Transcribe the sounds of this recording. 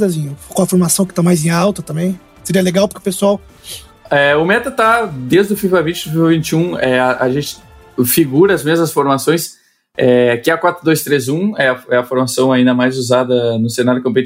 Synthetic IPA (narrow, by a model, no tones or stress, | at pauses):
d̪ɐzĩkõɐfoɾmasɐ̃w̃kɪ̥t̪amajzẽawt̪ɐt̪ɐ̃mbẽj̃ | seɾiɐleɡawpʊɾkɪʊpesuaw | ɛʊmɛt̪ɐt̪ad̪ezd̪ʊfivavĩnt͡ʃɪʊfivavĩnt͡ʃɪũɛaʒẽnt͡ʃɪ̥ | fiɡuɾɐɐzmezmɐsfoɾmasõj̃s | ɛkɪɛɐkwat̪ɾʊd̪ojst̪ɾezũɛɐɛɐfoɾmasɐ̃w̃aĩnd̪ɐmajzuzad̪ɐnʊsenaɾʊkõpet͡ʃ